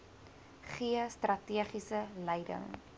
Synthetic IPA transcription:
χiəstrɐtiəχisəlɛjdə̰ŋ

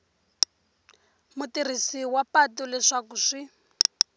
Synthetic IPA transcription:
mutir̤isiwapatɔlɛʂakuʂi

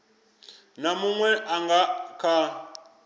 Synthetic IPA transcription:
namuŋwɛʔaŋɡakʰa

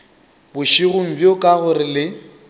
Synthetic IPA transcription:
bʊʃiɣʊm̩bjʊkʼaɣʊɾɪlɪ

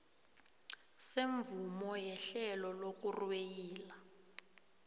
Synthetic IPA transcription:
seɱvumɔjɛɬɛlɔlok̬urwwejiːla

